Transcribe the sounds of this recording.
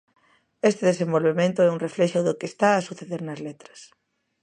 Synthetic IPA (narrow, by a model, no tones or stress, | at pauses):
est̪ɪðesẽmbolβemẽnt̪ʊɛuŋreflɛʃʊðʊkest̪aːsuθeðeɾnɐzlet̪ɾɐ̥s